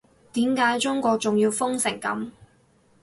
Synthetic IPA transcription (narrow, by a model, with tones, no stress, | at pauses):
t̪iː˨˥mkaː˨˥jt͡sʊ˥ŋkʷɔː˧k̚t͡sʊ˨ŋjiː˧wfʊ˥ŋsɪ˨˩ŋkɐ̰˨˥m